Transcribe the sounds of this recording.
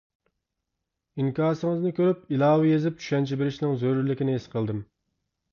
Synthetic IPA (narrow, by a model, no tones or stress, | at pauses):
iŋkʲɑːsɨŋəznɪkʲøɾyp̚ilˠɑːwɪjezɪp̚t͡ʃʰy̥ʃɛnt͡ʃʰibeɾɪʃnɪŋzøɾyɾlɪkʲinɪesqʰəlˠd̪ɨm